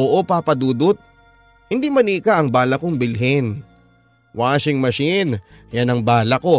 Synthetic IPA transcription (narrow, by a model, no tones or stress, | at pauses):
oʔopapɐd̪uːd̪ot̪̚ | hɪnd̪imɐnikaʔɐŋbaːlɐkoŋbɪlɦɪn | wʔaːsɪŋmɐʃɪn | janɐŋbaːlɐko̞